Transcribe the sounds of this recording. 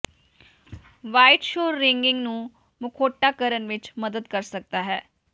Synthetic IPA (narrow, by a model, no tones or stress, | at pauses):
ʋaːɪʈʃoːɾːɪŋɡɪŋɡnũː | mʊkʰoːʈːaːkəɾənʋɪt͡ʃməd̪əd̪kəɾsək̚d̪aːɦɛː